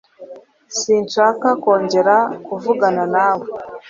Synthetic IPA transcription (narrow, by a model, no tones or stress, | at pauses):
siːnʃaːkako̞ːɲɟe̞ɾakuvuɡananaːwo